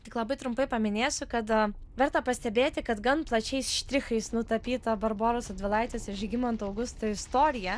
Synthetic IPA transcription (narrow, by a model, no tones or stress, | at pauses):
t̪ʲɪklˠɐbɐɪt̪ɾʊmpɐɪpɐmʲɪnʲeːsʲʊkɐt̪ʋʲɛɾt̪ɐpɐsʲt̪ʲɛbʲeːt̪ʲɪkɐt̪ɡɐnplˠɐt͡ʃʲɛɪsʃʲt̪ʲɾʲɪxɐɪsnʊt̪ɐpʲiːt̪ɐbɐɾboːɾosɐd̪ʲʋʲɪlˠɐɪt̪ʲʋʲesɪʃʲɡʲɪmɐnt̪ɐʊɡʊst̪ɐɪst̪oːɾʲɪjɛ